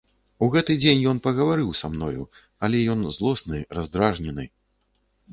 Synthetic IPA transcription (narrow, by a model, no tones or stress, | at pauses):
uɣɛt̪ɨd͡zʲenʲjɔn̪pɐɣɐvaɾɨwsamnɔjṵ | ɐlʲɛjɔnzlˠɔsnɨɾazd̪ɾaʐnʲɛnɨ